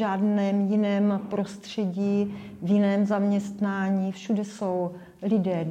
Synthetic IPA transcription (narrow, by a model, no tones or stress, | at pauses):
aːdnɛːmjɪnɛːmpɾo̞st̪r̝̥ɛɟiː | vjɪnɛːmzamɲɛst̪naːɲiːfʃudɛso̞w | lɪdɛː